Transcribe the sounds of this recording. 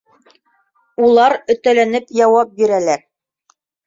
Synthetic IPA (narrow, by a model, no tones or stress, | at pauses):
ulˠɑɾɵ̆t̪ælænɘpjɑwɑp̚biɾælæɾ